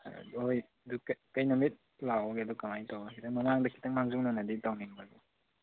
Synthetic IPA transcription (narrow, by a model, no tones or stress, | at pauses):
oj | dukkɐjnɔmit̚ | lawɡeɐdukamajtawakʰitʰaŋmɐmaŋdɐkʰi̥tʰɐŋmaŋzuk̚nanɐditawniŋbadu